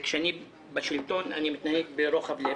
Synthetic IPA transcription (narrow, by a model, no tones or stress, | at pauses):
kʃeani | baʃilt̪ona̰nimit̪naheɡ̚beɾoχable